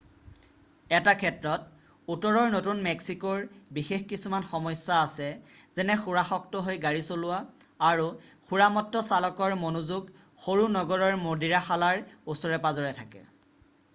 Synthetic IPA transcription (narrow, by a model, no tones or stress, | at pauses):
ɛtakʰɛtɹɔt̚ | utɔɹɔɹnotunmɛksikɔɹbixexkisumanxɔmɔsːaːsɛzɛnɛxuɹaxɔk̚tɔɦojɡaɹisolʊwaːɹuxuɹamɔtːɔsalɔkɔɹmonuzuɡ | xoɹunɔɡɔɹɔɹmodiɹaxalaɹusɔɹɛpazɔɹɛtʰakɛ̰